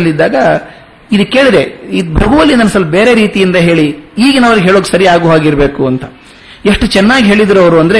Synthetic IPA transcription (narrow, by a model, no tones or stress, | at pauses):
lːid̪ːaːɡɐ | id̪ukːeːɭid̪ɾeibʱɾɐɡuʋɐlːinɐnsɐlːbe̞ːɾe̞ɾiːt̪ijind̪ɐɦe̞ːɭiiːɡɐnɐʋɐɾiɡɦeːɭoːkesɐɾijaːɡuʋaːɡiɾbe̞ːkuɐnt̪ɐ | eʂʈut͡ʃɛnːaːɡiɦe̞ːɭid̪ɾɐʋɾuɐnd̪ɐɾe